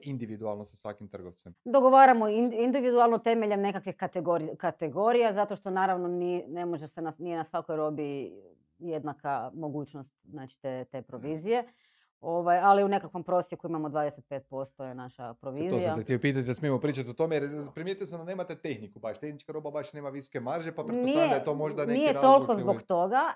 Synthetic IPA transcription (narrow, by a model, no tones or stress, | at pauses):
ind̪iʋid̪ualˠnosasʋakimt̪r̩ɡoʋt̪sɛmd̪o̞ɡo̞ʋaːɾamoiind̪iʋid̪ualˠnot̪e̞me̞ʎemne̞kakʋixkat̪eɡoɾkat̪eɡo̞ɾijazat̪o̞ʃt̪o̞naːɾaʋno̞nine̞moʒesenanijenasʋako̞jɾo̞bi | je̞d̪nakamo̞ɡuːt͡ʃno̞st̪znaːt͡ʃi̥t̪et̪e̞ːpɾoʋiːzije̞ | o̞ʋajaliune̞kakʋo̞mpɾo̞sjekuimamo̞d̪ʋaːd̪eset̪̚pe̞ːt̪̚po̞st̪ojenaʃa̰pɾo̞ʋiːzoisjat̪et̪iopiːt̪̬at̪id̪smiemopɾiːt͡ʃat̪iot̪o̞mejeɾpɾimjet̪ijosamd̪aneːmat̪et̪exnikubaʃt̪exnit͡ʃkaɾo̞babaʃne̞ːmaʋiso̥kemaɾʒepapɾniaeat̪omoʒd̪annijeɾat̪o̞lˠkozbokt̪o̞ɡa